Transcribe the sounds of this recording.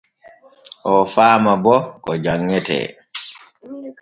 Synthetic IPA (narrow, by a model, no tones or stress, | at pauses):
ʔɔfaːmabɔkɔd͡ʒaŋːɛtɛ̰ː